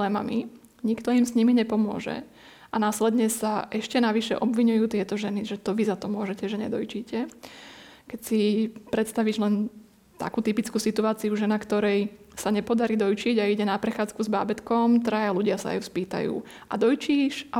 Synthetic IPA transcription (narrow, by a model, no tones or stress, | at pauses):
ɛma̰mi | ɲikt̪ɔimsɲimiɲɛpɔmʊɔ̰ʒɛ̰ | ʔanaːslɛd̪ɲɛsaʔɛʃcɛnaʋiʃɛ̰ʔɔbʋiɲujuːt̪ɪɛt̪ɔʒɛniʒɛt̪ɔʋizat̪ɔmʊɔʒɛcɛʒɛɲɛ̰d̪ɔjt͡ʃiːcɛ | kɛcsipɾɛt̪st̪aʋiʒlɛn | t̪a̰kuːt̪ipit͡skuːsit̪uaːt͡siuʒɛnakt̪ɔɾɛj | saɲɛpɔd̪aɾiːd̪ɔjt͡ʃiɟaiɟɛnapɾɛxaːt͡skuzbaːbɛt̪kɔmt̪ɾajaluɟɪasa̰a̰juspiːt̪a̰jṵː | ʔa̰d̪ɔjt͡ʃiːʃa